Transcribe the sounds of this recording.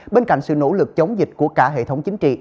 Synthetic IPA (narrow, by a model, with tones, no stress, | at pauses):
ɓe˧nka̰˧˨jŋ̟sɨ̰˧˨no̰˧˥lɨ˨˩k̚t͡ɕə˨˦wŋ͡mzi˨˩t̟̚ku˧˩əkaː˧˩ɦḛ˧˨t̪ʰwŋ͡mt͡ɕï˨˦ŋ̟t͡ɕḭ˧˨